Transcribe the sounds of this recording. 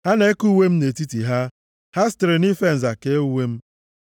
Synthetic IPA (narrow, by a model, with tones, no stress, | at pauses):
ha˦ne˦e˦ku˦we˦m̩˦ne˨ti˦ti˨ɦa˦ | ha˦stɾe˨ni˦fe˦n̩˨za˨ke˦u˦we˦m̩˦